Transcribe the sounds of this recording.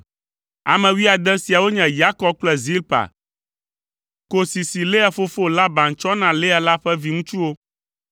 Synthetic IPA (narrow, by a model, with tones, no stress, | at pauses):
a̰˨mɛ̃˨wi˦a˨d̪ɛ̃˦si˨a˨wo˦ɲɛ̃˨ja˦kɔ˦b̚k͡plɛ˦zi˦lpa̰˨ | ko˦si˨si˨le˦a˨fo˦fo˦la˦bã˨ŋ˨t͡ʃɔ˦nã˨le˦a˨la˦ɸɛ˦vi˨˦ŋũ˦t͡ʃu˦wo˦